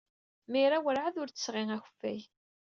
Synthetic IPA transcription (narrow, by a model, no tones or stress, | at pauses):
miɾawəɾʕaðʊɾt͡sə̥sʁiŋæçə̥fːæj